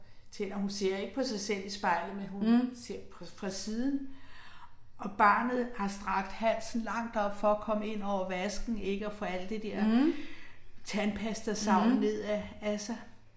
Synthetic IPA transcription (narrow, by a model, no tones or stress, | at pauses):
t͡sʰe̝nɐhunse̝ɐ̰e̝ɡ̥ə̥pʰɒ̽sɑ̈ɪsel̰isb̥ɑ̈ɪ̰ləmenɦunse̝ɐ̰pʰɒfʁɑ̈siːðˠn̩ | ʔɒ̽b̥ɑ̰̈ːnð̩ˠhɑ̈sd̥ʁɑ̈ɡ̥d̥hæn̰sn̩lɑ̈ŋ̰d̥ɒ̽b̥fɒ̽ːkʰɒ̽məe̝n̰ɒʊ̰ɐʋæsɡ̥n̩e̝ɡ̥əɒfɒæl̰d̥ed̥eɐ̰ | t͡sʰænpʰæsd̥ɐsɑ̈ʊ̰nne̝ð̞̰ˠææsɑɪ